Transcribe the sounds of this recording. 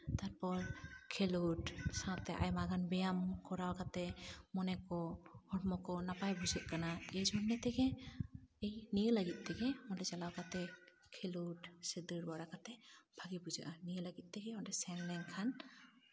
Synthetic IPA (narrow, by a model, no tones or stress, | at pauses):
t̪aɾpɔlkʰeluʈsãt̪ɛʔa̰jmaɡanbɛjamkɔɾawkat̪ɛmɔnɛkɔhɔɾmɔkɔnapajbuzɯʔkanaɛzɔnːɛt̪ɛɡɛ | ejnijəlaɡit̪̚ˀt̪ɛɡɛmɔndɛzalawkat̪ɛ | kʰeluʈsed̪ɯɾbɔɾakat̪ɛbʱaɡibuzaʔanijəlaɡit̪̚ˀt̪ɛɡɛmɔndɛsɛnlɛŋkʰan